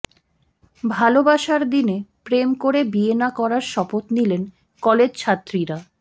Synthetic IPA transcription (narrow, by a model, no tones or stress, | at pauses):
bʱalobaʃaɾd̪inepɾemkoɾebienakɔɾaɾʃɔpot̪nilen | kɔled͡ʑt͡ɕʰat̪ːɾiɾa